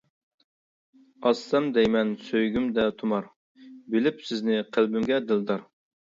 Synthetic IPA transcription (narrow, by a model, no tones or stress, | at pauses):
ɑsːɛmd̪ɛjmɛnsøjɡʲymd̪ɛt̪ʰumɑɾ | bɪlɪpsɪznɪqʰəlˠbɪmɡʲɛd̪ɨlˠd̪ɑɾ